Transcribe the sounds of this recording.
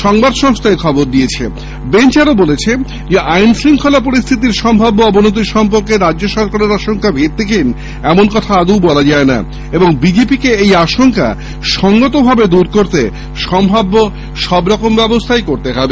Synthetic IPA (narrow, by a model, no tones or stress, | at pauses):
ʃɔŋbad̪ʃɔŋst̪ʰaekʰɔboɾd̪iet͡ɕʰe | bent͡ɕaɾobolet͡ɕʰe | d͡ʑeʔajnsɾiŋkʰolap̬oɾist̪ʰit̪̬iɾʃɔmbʱabːoɔbonot̪̬iɾʃɔmp̬oɾkeɾad͡ʑːʑoʃɔɾkaɾeɾaʃoŋkabʱet̪̚t̪ekin | ɛmonkɔt̪ʰaaɡ̪uwbɔlad͡ʑaena̰ | eboŋbid͡ʑepikeejaʃoŋka̰ | ʃɔŋɡot̪obʱabed̪uɾkoɾt̪e | ʃɔmbʱabːo | ʃɔbɾɔkombɛbost̪ʰajkoɾt̪eɦɔbe